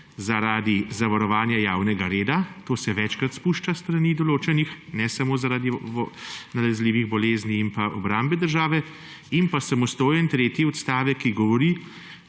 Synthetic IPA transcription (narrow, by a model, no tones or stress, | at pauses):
zaɾaːd̪izaʋaɾɔʋaːnjajaːwnɛɡaɾeːd̪at̪oːsɛʋɛt͡ʃkɾat̪spuʃt͡ʃast̪ɾaniːd̪ɔloːt͡ʃɛnixnɛsamoːzaɾaːd̪i | nalɛzliːʋiɣbɔleːzniːmpaʔɔbɾambɛd̪əɾʒaːʋɛ | impasamɔst̪oːjɛnt̪ɾeːt̪jiɔt̪st̪aːʋɛkːiɡɔʋɔɾi